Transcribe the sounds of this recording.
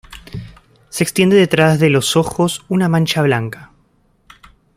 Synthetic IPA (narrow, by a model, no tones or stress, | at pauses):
se̞ːkst̪je̞nd̪e̞ðet̪ɾazðeloso̞xo̞sunamãnt͡ʃaβ̞laŋka